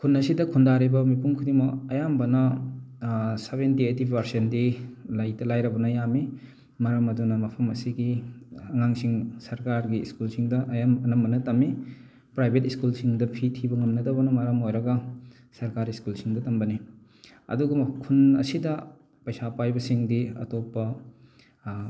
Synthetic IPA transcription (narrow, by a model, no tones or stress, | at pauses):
kʰunːɐsidɐkʰundaɾibɐmipuŋkʰudimɐɐjambɐnɐ | sebentietibʱɐɾsendilajtɐlajɾɐbɐnɐjami | maɾɐmɐdunɐmɐpʰɐmɐsiɡiɐŋaŋsiŋsɐɾkaɾɡiːskulsiŋdɐʔɐjamɐnɐmbɐnɐtɐmːi | pɾajbʱetiskulsiŋdɐpʰitʰibɐŋɐmnɐdɐwbɐnɐmɐɾɐmojɾɐɡɐ | sɐɾkaɾiskulsiŋdɐtɐmbɐni | ɐ̰duɡɐmkʰunɐ̰sidɐ | pɐjsapajbɐsiŋdiɐ̰topːɐ